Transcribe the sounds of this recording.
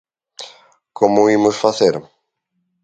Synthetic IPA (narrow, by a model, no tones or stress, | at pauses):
komʊimʊsfaθeɾ